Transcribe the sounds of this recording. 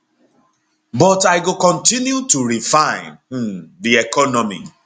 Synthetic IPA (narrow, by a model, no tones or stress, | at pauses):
bɔtaɪɡokɔ̃ntĩnjutuɾifãɪ̃n̩ðiɛkɔnɔmḭ